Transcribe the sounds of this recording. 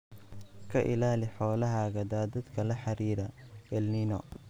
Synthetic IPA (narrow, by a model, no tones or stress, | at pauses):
kʰɐʔɪ̰laːlɪħɔːlɐɦaɣɐd̪aːd̪ɐd̪kʰɐlɐħɑɾiːɾɐɛlninɔ